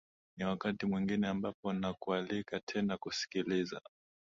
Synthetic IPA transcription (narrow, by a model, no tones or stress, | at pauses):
niwakatimwiŋɡinɛambapɔnakualikatʰɛnakusi̥kiliza̰